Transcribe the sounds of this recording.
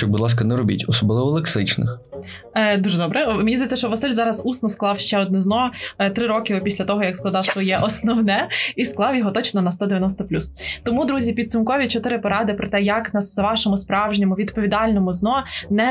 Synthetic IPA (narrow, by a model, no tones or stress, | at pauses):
ɔbʊd̪lˠɑs̬kɐnɛɾɔbʲḭtʲɔsɔblˠɪʋɔlˠeksɪt͡ʃnɪ̰x | d̪uʒɛd̪ɔbɾɛmʲenʲizjɛtʲt͡sʲːsɐʃt͡ʃɔʋɐsɪlʲzɑɾɐzusnɔsklˠɑwʃt͡ʃɛɔd̪nɪznɔt̪ɾɪɾɔkʲɪɔpʲisʲlʲɐt̪ɔɦɔjɐksklˠɐd̪ɑwsʋɔjɛʔɔsnɔwnɛisklˠɑwjɔɦɔt̪ɔt͡ʃnɔnɐst̪ɔd̪eʋjɐnɔst̪ɐplʲust̪ɔmud̪ɾuzʲipʲid̪sumkɔʋʲit͡ʃɔt̪ɪɾɪpɔɾɑd̪ɪpɾɔt̪ɛjɐknɐszʋɑʃɔmʊspɾɑwʒnɲʲɐmʊʋʲid̪pɔʋʲid̪ɑlʲnɔmʊznɔnɛ